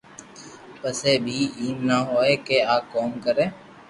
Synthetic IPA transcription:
pəseːbʱiːiːmnaːɦoːeːkeːaːkoːmkəɾeː

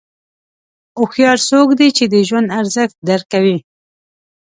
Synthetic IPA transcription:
ʊxjɑɾsokd̪it͡ʃed̪əʒwand̪aɾzəxt̪̚d̪aɾkawi

